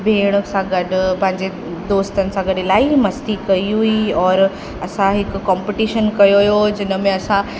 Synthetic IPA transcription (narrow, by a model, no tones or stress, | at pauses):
bʱeːɽ̃əsãɡɐɖʱʊpɐ̃ɦɪ̃ɲd͡ʑe | d̪oːst̪ənɪ̆sãɡɐɖɪlaːimɐst̪ikɐiɦuiɔːɾ | ɐsãɦɪkːɔ̃ːmpɪʈiːʃənkɐjojod͡ʑɪnə̆mẽɐsã